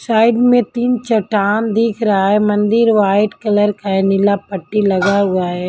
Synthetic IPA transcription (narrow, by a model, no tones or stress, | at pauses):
saːɪɖmẽt̪iːnt͡ʃɐʈaːnd̪iːkʰɾɐɦaɦɛmɐ̃nd̪ɪɾʋaːɪʈkɐləɾkaɦɛnɪlapɐʈːilɐɡaɦʊaɦɛ